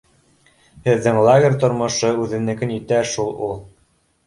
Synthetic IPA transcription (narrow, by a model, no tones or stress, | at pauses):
hɘ̆ðːɘŋlˠaɡʲɪrʲt̪ŏɾmŏʃɤʉðɘ̆nnɘ̆kɘ̆nit̪æʃulˠulˠ